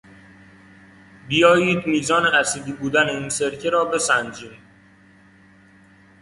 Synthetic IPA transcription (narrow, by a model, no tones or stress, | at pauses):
bijɒːjiːd̪miːzɒːneʔæsid̪iːbuːd̪æneiːnseɾcʰeɾɒːbe̞sænd͡ʒiːn